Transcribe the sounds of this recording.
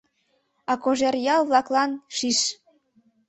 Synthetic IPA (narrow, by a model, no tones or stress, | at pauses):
ɑkoʒerjɑlβlɑklɑnʃiʃ